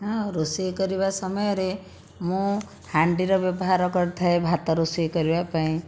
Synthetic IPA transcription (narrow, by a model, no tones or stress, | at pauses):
ɦɔ̃ɾosiekɔɾibasɔmɔjɔɾe | mũ | haɳɖiɾɔbjɔbɔɦaɾɔkɔɾt̪ʰaebʱat̪ɔɾosiekɔɾibapaĩ